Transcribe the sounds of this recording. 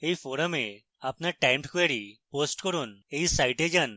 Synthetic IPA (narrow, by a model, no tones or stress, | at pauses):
ejfʰoɾame | apnaɾʈajmʈkeɾiposʈkoɾunejsajʈed͡ʑan